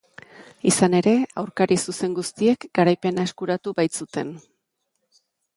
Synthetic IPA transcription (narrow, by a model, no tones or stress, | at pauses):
isane̞ɾe̞awɾkaɾisuse̞ŋɡust̪ie̞kɡaɾajpe̞nae̞skuɾat̪uβajt͡sut̪e̞n